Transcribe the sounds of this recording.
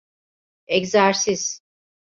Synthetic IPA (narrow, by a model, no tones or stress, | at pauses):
ɛczæɾsiz̥